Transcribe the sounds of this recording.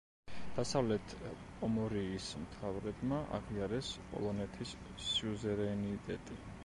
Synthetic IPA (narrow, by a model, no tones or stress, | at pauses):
d̪̥asavlɛt̪ʰʼ | ɔmɔɾiːsmt̪ʰavɾɛbmaʔa̰ʁiaɾɛspʼɔ̰lˠɔnɛt̪ʰisː | iuzɛɾɛnit̪ʼɛt̪ʼi